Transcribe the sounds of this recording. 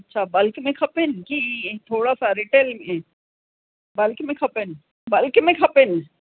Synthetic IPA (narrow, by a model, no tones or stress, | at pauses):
ɐtːʃʰaːbɐlkmẽkʰɐpɪnkit̪ʰoːɽasaɾɪʈeːlmẽ | bɐlkmẽkʰɐpɪn | bɐlkmẽkʰɐpɪn